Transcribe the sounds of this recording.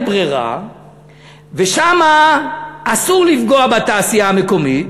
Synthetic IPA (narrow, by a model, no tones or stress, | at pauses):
bʁeʁa̰ | veʃamaː | suʁlifɡoabat̪aːsijaameko̞mit